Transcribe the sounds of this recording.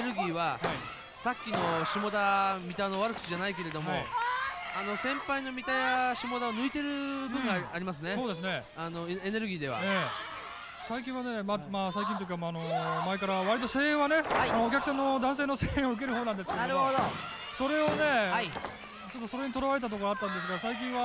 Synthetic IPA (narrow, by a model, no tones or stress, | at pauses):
ɾɯ̟ɡʲiːβahai | sakʲːino̞ɕimo̞d̪amʲit̪ano̞βaɾɯkɯ̥iʑanaike̞ɾe̞d̪o̞mo̞iano̞sẽ̞mpaino̞mʲit̪ajaɕimo̞d̪aonɯ̟it̪e̞ɾɯ̟bɯ̟̃ŋɡaaɾʲimas̬ɨneso̞ːd̪e̞s̬ɨne̞ | ano̞ene̞ɾɯ̟ɡʲiːd̪e̞β̞a̰eː | saikʲĩɰ̃ane̞mamaːs̬aik̬ʲĩnt̪ok̬ʲiamaːno̞maekaɾaβaɾʲit̪ose̞ːẽɰ̃βane̞aanoːkʲakɯ̟s̬ãnːo̞d̪ãs̬e̞ːno̞se̞ːẽo̞ɯ̟k̬e̞ɾɯ̟ɦoːnãnd̪esɨkeaɾɯod̪o | so̞ɾe̞o̞ne̞ | t͡ɕo̞t̪ːosoɾe̞ɲit̪oɾaβae̞t̪̬at̪̬oko̞ɾoat̪ːãnd̪e̞s̬ɨɡasaik̬ʲĩɰ̃βa